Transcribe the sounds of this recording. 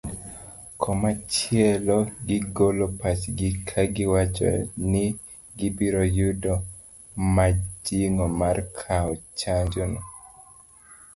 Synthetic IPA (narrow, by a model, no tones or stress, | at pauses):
kʰɔmat͡ʃɪɛlɔɡɪɡolɔpat͡ʃɡɪkʰaɡɪwat͡ʃɔ̰nɪ | ɡɪbiɾojudɔ | mad͡ʒiŋɔmarkʰaɔt͡ʃaɲd͡ʒɔnɔ